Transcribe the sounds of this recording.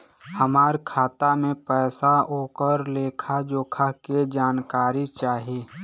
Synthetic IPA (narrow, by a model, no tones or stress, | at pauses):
həmaːɾkʰaːt̪amẽpɛːsaoːkəɾleːkʰad͡ʒoːkʰaked͡ʒaːnkaːɾit͡ʃaːɦieː